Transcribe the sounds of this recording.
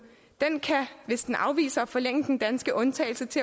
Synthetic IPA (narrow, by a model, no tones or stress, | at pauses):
d̥enkʰæʋe̝sd̥enʔɑ̈ʊʋḭːsɐɒ̽fɒ̽leŋ̰əd̥end̥ænsɡ̥əʔɔ̽nt͡sʰɛ̰ɪl̩sət͡sʰe̝